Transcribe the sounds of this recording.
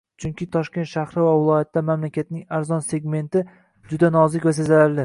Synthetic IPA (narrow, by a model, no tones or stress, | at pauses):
t͡ʃʰʊŋkʲɪt̪ʰɒʃkʲent̪ʃahɾɪvavɪlˠɒjat̪ːamamlakʲat̪̚nɪŋaɾzɒnse̞ɡme̞nt̪ɪ | d͡ʒʊd̪anɒzɪkʲvasezalaɾlɪ